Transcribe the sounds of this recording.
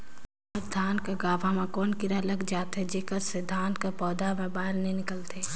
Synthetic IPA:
ɔɾd̪ʱaːnkaɡaːʋamãkoːnkiɾɐləɡd͡ʒaːt̪ed͡ʒekətsed̪ʱaːnkapɔːd̪amẽbaːɾnenɪkəlt̪ʰeː

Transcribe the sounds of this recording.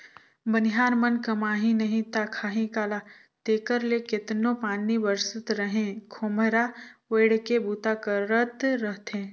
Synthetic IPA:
bənɪɦaːɾmənkɐmaːɦĩnɐɦĩt̪akʰaːɦĩkaːla | t̪eːkəɾlekɪt̪nõpaːnibəɾsət̪ɾəɦẽkʰomɾaʋeːɽkebuːt̪akəːət̪ɾəɦt̪ẽː

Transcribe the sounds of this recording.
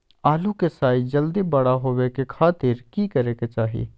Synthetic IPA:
aːlukesaːid͡ʒɐld̪ibɐɽaɦoːwekekʰaːt̪ɪɾkikɐɾeːket͡ʃaːɦḭ

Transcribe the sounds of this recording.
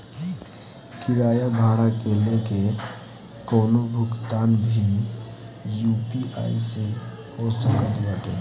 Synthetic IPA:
kiɾaːjabʱaɽakeleke | kɔːnobʱʊkt̪anbʱin | jupia̰isẽ | osəkəlbəʈe

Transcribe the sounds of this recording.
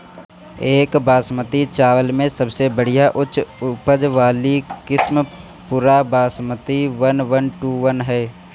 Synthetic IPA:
eːkbaːsmət̪it͡ʃaːʋəlmẽsəbsebəɽ̤ijaʔʊt͡ʃʊpəd͡ʒʋaːlikɪsm | pʊɾabaːsmət̪iʋənʋənʈuːʋənɦɛː

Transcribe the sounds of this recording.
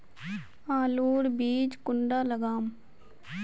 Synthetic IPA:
aːluːɾbiːd͡ʒkʊɳɖaːləɡaːm

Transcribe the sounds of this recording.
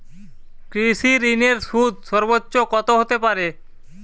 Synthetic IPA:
kɾisiɾineɾsud̪ʃɔɾbotːʃokɔt̪oɦot̪epaɾe

